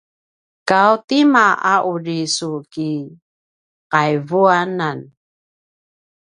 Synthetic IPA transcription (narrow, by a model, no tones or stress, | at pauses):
kawtimaʔaʔuɾisuki | qajvuanan